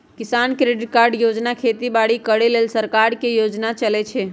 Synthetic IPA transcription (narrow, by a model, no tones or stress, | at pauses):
kisankɾeɖɪʈ̚kaɾɖjod͡ʒnakʰet̪ibaɽikəɽelelsəɾkaɾkejod͡ʒnat͡ʃəlɛt͡ʃʰɛ